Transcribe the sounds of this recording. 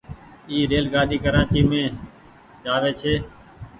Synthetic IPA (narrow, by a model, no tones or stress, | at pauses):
iːɾeːlɡaːɗiːkəɾaːt͡ʃiːmẽː | d͡ʒaːʋeːt͡ʃʰeː